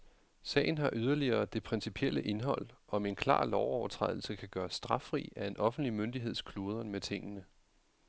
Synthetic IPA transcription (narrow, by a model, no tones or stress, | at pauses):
sɛ̰ːɪn̩ɦɑ̈ʔyð̞ˠɐliɐːd̥e̝pʰʁɛnsipʰiel̰əʔe̝nɦɒ̽l̰ɒ̽me̝nkʰlɑ̰̈ːlɒʊɒʊɐt͡sʰʁɛ̰ð̞̰ˠl̩səkʰæɡ̥ɶːɐsd̥ʁɑ̈fʁḭːæe̝nʔɒ̽fn̩d̥limønd̥iɦe̝ð̞̰ˠskʰlo̝ːð̞ˠɐnmet͡sʰe̝ŋ̰ənə